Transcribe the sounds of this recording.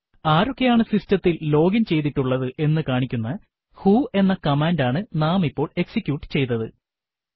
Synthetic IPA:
aːɾo̞kːe̞jaːɳɨsistɐt̪ːilːo̞ːɡɐnt͡ɕe̞jt̪̬iʈːuɭːɐðɨʔe̞nːɨkaːɳikʲːunːɐ | huːe̞nːɐkɐmaːndaːɳɨnaːmipːo̞ːɭe̞ksikʲjuːʈːɨ̥t͡ɕe̞jt̪ːɐðɨ

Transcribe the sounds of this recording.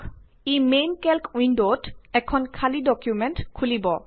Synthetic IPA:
imenkɛlkwinɖotɛkʰɔnkʰalidɔkjumenʈkʰulibɔ

